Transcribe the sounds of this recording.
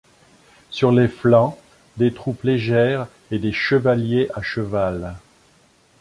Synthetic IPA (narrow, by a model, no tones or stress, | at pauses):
syʁleflɑ̃ | d̪et̪χupleʒɛʁ | ed̪eʃəvaljeʔaʃəval